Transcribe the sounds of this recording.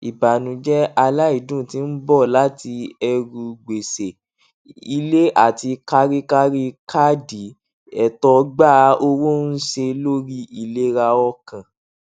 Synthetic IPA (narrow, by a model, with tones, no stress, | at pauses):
i˨ba˨nũ˨˦d͡ʒɛ˦a˧la˦i˦˨dũ˦˨tĩ˨˦n̩˦bɔ˦˨la˦ti˧ɛ˧ɾu˧ɡ͡be˨se˨ | i˧le˦a˦˨ti˧ka˦ɾi˦ka˦ɾi˦ka˦di˨˦ | ɛ˨tɔ˨ɡ͡ba˦˨˦o˧wo˦n̩˦se˧lo˦ɾi˦i˦˨le˦ɾa˧ɔ˧kã˨